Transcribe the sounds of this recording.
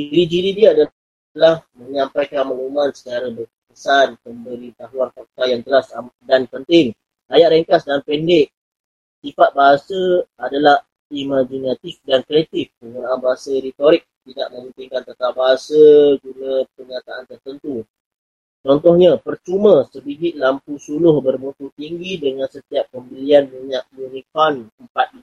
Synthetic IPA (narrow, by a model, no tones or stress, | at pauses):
d͡ʒɾid͡ʒiɾidiada | t̪əlahmə̃ɲampajkanmaŋumansə̥t͡ʃaɾabər | kəsanməmbəɾit̪aɦuankɔrt̪ajaŋt̪əlasadanpənt̪ɪŋ | ajaʔɾɛŋkasdanpɛndɪʔ̚ | sifat̪̚baɦasaadalah | imad͡ʒinat̪ifdankɾiɛt̪ifpəŋunaanbaɦasaɾit̪oɾɪk̚t̪idaʔmə̃mənt̪ɪŋkant̪ət̪abaɦasəɡunãpərɲat̪aʔant̪ərt̪ənt̪u | t͡ʃɔnt̪ɔhɲapərt͡ʃumə̃səbiɡɪt̪̚lampusulʊhbərmut̪ut̪iŋɡidəŋãnsət̪iapːəmbəlianməɲaʔ̚junikɔnəmpat̪̚i